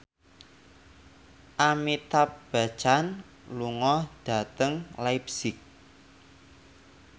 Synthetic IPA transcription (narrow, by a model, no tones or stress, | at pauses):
ʔamit̪ap̚b̥a̤̥t͡ʃan | luŋɔhd̥a̤t̪əŋlajpsik̚